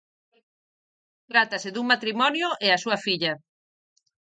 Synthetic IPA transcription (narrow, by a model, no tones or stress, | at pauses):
t̪ɾat̪ɐsɪðuŋmat̪ɾimɔnjʊʔeasuɐfiʎɐ